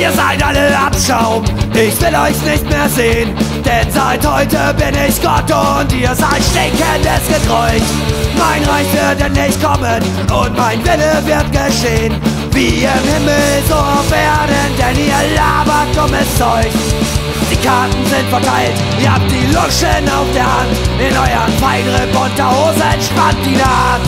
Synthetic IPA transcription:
ʔiːɐzaɪtʔaləʔa̰pʃaʊmʔɪçv̥ɪlɔʏçsnɪçtmeːɐzeːənd̥ɛnzaɪthɔʏtəbɪnɪçɡ̥ɔtʊntiːɐzaltʃtɛkəndɛsɡ̥əɡʁɔʏç | maɪnʁaɪçv̥ɪɐtdɛnːɪçtkʰɔmən | ʔʊntmaɪnvɪləvɪɐt̚ɡ̥əʃeːən | viːiːɪnhɪmlzofeːɐdəndɛniːɐlaːbɐt̚kɔmɛst͡sɔʏɡ | d̥iːkʰaɐtn̩zɪntfɛɐtʰaɪlt | ɪɐhaːp̚d̥iːlʊʃəna̰ʊfd̥eːɐhantɪnʔɔʏɐənfaɪnʁepɔtɐhoːzəɛntʃpant̚d̥iːnaː

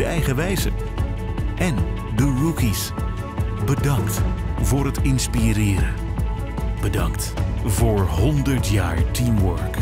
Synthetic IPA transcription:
əɛjχəʋɛjzə̰ | ʔɛn | dərukis | bədɑŋktvʊːɾɦətɪnspiɾɪːɾə | b̥ədɑŋkt | vʊːɹɦɔndəɹtjaːɹtimwœɹk

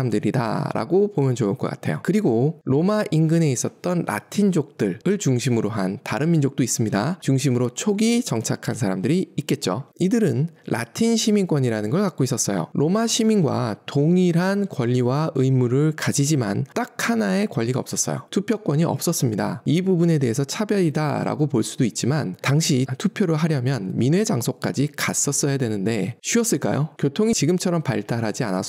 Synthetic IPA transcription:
mdɯɾida̰ɾa̰ɡopomjʌnd͡ʑouɭk͈ʌk͈a̰tʰe̞jo̰kɯɾiɡoɾomaʔinɡɯne̞is͈ʌt̚t͈ʌnɾʔa̰tʰind͡ʑok̚t͈ɯɭɯɭt͡ɕuŋɕʰimɯɾoɦantaɾɯnmind͡ʑok̚t͈ois͈ɯmɲidat͡ɕuŋɕʰimɯɾot͡ɕʰoɡit͡ɕʌŋt͡ɕʰakʰansʰaɾamdɯɾiːt̚k͈e̞t̚t͡ɕ͈o̰idɯɾɯnɾʔa̰tʰinɕʰimiŋk͈wʌɲiɾanɯnɡʌɭkak͈ois͈ʌs͈ʌjo̰ɾʔomaɕʰiminɡwa̰toŋiɾɦankwʌʎːiwaɯjmuɾɯɭkad͡ʑid͡ʑima̰nt͈ak̚hanae̞kwʌʎːiɡaʌps͈ʌs͈ʌ̰jo̰tʰupʰjʌk͈wʌɲiʌp̚s͈ʌs͈ɯmɲida̰ibubune̞de̞ɦe̞sʰʌt͡ɕʰabjʌɾida̰ɾa̰ɡopoɭs͈udoit̚t͡ɕ͈imantaŋɕʰitʰupʰjoɾoɦaɾjʌmjʌnminue̞d͡ʑaŋsʰok̚k͈a̰d͡ʑikas͈ʌs͈ʌjadwenɯnde̞ɕʰuʌs͈ɯɭk͈a̰jokjotʰoŋit͡ɕiɡɯmt͡ɕʰʌɾʌmpaɭt͈aɾɦad͡ʑia̰na̰

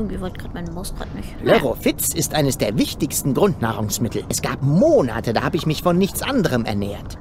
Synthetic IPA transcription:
ɡŋ̩tviːvɔlt̚ɡ̥ʁaːtmaɪnəmʊstʁa̰tnɪçløʁofɪt͡sɪstʔaɪnəsd̥eːɐvɪçtɪçstn̩ɡʁʊntna̰ːʁʊŋsmɪtʰl̩ʔɛsɡ̥aːpmoːna̰tədaːhaːbəɪçmɪçfɔnːɪçt͡sʔandəʁəmɛ̰ɐnɛ̰ːɐt

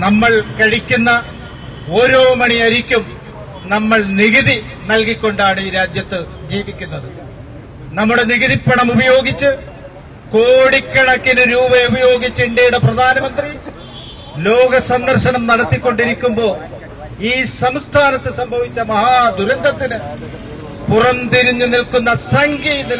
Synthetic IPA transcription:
nɐmːɐɭkɐɻikʲːunːɐ | oːɾo̞ːmɐɳiɐɾikʲːum | nɐmːɐɭniɣiði | nɐlkikʲːo̞ɳɖaːɳɨiːɾaːd͡ʑjɐt̪ːɨ | d͡ʑiːʋikʲːunːɐðɨ | nɐmːuɽe̞niɣiðipːɐɳɐmubɐjo̞ːɡit͡ɕːɨ | ko̞ːɽikʲːɐɽɐkːinɨɾuːbɐubɐjo̞ːɡit͡ɕːiɳɖejuɽeprɐd̪ʱaːnɐmɐnd̪ri | lo̞ːɡɐsɐnd̪ɐrʂɐɳɐmnɐɽɐt̪ːikʲːo̞ɳɖiɾikʲːumbo̞ː | iːsɐmst̪ʰaːnɐt̪ːɨsɐmbʱɐʋit͡ɕːɐmɐɦaːd̪ʱuɾɐnd̪ɐt̪ːinɨ | purɐmt̪iɾiɲːɨnilkunːɐsɐŋɡijni

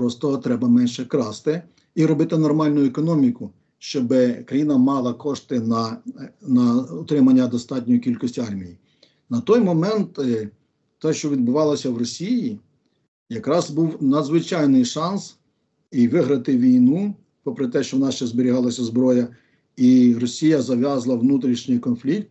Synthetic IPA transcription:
pɾɔst̪ɔɦɔt̪ɾɛbɐmɛnʃɛkɾɑst̪ɪ | iɾɔbɪt̪ɪnɔrmɑlʲnʊjɛkɔnɔmʲikʊ | ʃt͡ʃɔbɪkɾɐjinɐmɑlˠɐkɔʃt̪ɪnɐnɐɔt̪ɾɪmɐnʲːɐd̪ɔst̪ɑt̚ʲnʲɔjikʲilʲkɔsʲtʲiɑrmʲiji | nɐt̪ɔjmɔmɛnt̪ | t̪ːɛʃt͡ʃɔʋʲid̪̚bʊʋɑlˠɐsʲɐwrɔsʲiji | jɐkɾɑzbuwnɐd̪zʋɪt͡ʃɑjnɪjʃɑns | iʋɪɦɾɐt̪ɪʋʲijnu | pɔpɾɪt̪ɛʃt͡ʃɔʋɔnɑʃt͡ʃɛzbɪɾʲiɦɑlˠɐsʲɐzbɾɔjɐ | iɾɔsʲijɐzɐʋʲjɑzlˠɐʋnut̪ɾʲiʃnɪjkɔnflʲik̚t̪

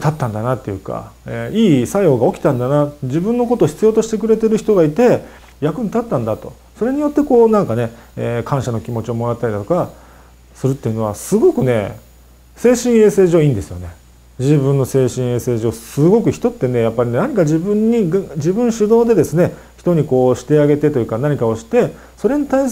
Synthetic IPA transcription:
t̪at̪ːãnd̪anat̪ːe̞jɯ̟ːka̰eiːsaioɡao̞kʲi̥t̪ãnd̪anad͡ʑibɯ̟̃nːo̞kot̪oːçi̥t͡sɨjo̞ːt̪o̞ɕi̥t̪e̞kɯ̟ɾe̞t̪e̞ɾɯ̟çi̥t̪o̞ɡait̪e̞ | jakɯ̟ɲit̪at̪ːãnd̪at̪o̞̰ | so̞ɾe̞ɲ̟ijo̞t̪ːe̞ko̞ːnãŋkane̞ekʰãɰ̃ɕano̞kʲimo̞t͡ɕio̞mo̞ɾat̪ːaɾʲid̪at̪o̞ka | sɨɾɯ̟t̪ːe̞iɯ̟no̞asɨɡo̞kɯ̟ne̞ | se̞ːɕĩɰ̃e̞ːse̞ːʑo̞ːĩːnd̪e̞sɨjo̞̰ne̞ | d͡ʑibɯ̟̃nːo̞se̞ːɕĩɰ̃e̞ːse̞ːʑo̞ːsɨɡo̞kɯ̟çi̥t̪o̞t̪ːe̞ne̞japːaɾʲinenaɲ̟ikad͡ʑibɯ̟̃ɲ̟ːiɡd͡ʑibɯ̟̃ɰ̃ɕɨd̪o̞ːd̪e̞d̪esɨne̞ | çi̥t̪o̞ɲ̟iko̞ːɕi̥t̪e̞aɡe̞t̪e̞t̪o̞jɯ̟kanaɲ̟ikao̞ɕi̥t̪e̞ | so̞ɾe̞ɲ̟it̪ais

